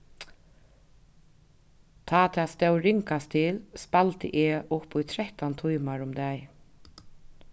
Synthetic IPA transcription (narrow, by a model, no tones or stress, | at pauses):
t̪ʰaːt̪ʰaːst̪ɛwɾɪŋkast̪ʰɪlspalt̪ə̰ʔɛʔʊpʊjt̪ʰɾɛht̪ant̪ʰujmaɹʊmd̪ɛj